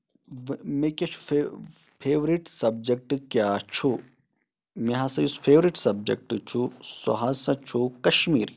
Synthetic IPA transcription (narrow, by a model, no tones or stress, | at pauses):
mekʲɐt͡ʃʰu̥ | fʰeːʋɾiʈsɐb̚d͡ʒek̚ʈkjaːt͡ʃʰu | meɦasɐjusfʰeːʋɾiʈsɐb̚d͡ʒḛk̚ʈt͡ʃʰuso̰ɦasɐt͡ʃʰukɐʃmiːɾi